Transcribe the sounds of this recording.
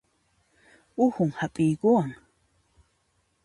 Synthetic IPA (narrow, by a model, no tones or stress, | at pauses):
ʊhʊŋhapʼɪjkuaŋ